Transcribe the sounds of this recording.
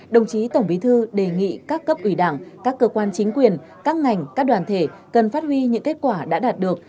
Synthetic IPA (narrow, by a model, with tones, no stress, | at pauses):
ɗə˨˩wŋ͡mt͡ɕi˨˦t̪ə˧˩wŋ͡mɓi˨˦t̪ʰɨ˧ɗe˨˩ŋḭ˧˨kaː˦˥kːə˦˥p̚ʔwi˧˩ɗaː˧˩ŋkaː˦˥kːəː˧kwaː˧nt͡ɕï˨˦ŋ̟kwi˨˩ən | kaː˦˥k̚ŋa˨˩jŋ̟kaː˦˥k̚ɗwaː˨˩nt̪ʰe˧˩kə˨˩nfaː˦˥t̚hwi˧ɲɨ̰˧˥ŋke˦˥t̚kwaː˧˩ɗa̰ː˧˥ɗaː˨˩t̚ɗɨ˨˩ək̚